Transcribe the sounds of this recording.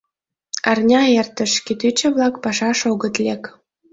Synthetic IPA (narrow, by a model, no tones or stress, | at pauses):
ɑrnʲɑert̪ə̆ʃkit̪yt͡ɕə̆βlɑkpɑʃɑʃoɣət̪lʲek